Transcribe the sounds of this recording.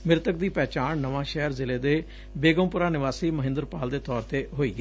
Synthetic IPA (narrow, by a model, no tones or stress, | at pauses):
mɪɾt̪ək̚d̪iːpɛːt͡ʃaːɳnəʋãːʃɛɦəɾzɪleːd̪eː | beːɡə̃mpʊɾaːnɪʋaːsiːməɦɪ̃nd̪əɾpaːld̪eːt̪ɔːɾt̪eːɦoːiːɡɛː